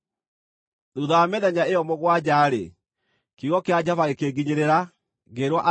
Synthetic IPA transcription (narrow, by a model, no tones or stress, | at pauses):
ðuðajamɛðɛɲaejɔmɔɣwad͡ʑaːɾḛ | kiɣɔkead͡ʑavaɣekeɣɡiɲeɾeɾa | ɣeɾwaʔa